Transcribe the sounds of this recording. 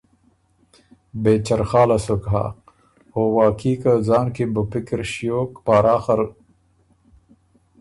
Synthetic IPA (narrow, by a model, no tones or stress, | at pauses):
beːt͡ɕɐɾxaːlɐsokɦa̰ː | oːwaːkiːkɐzaːnkibupikiɾɕijoːkpaːɾaːxɐɾ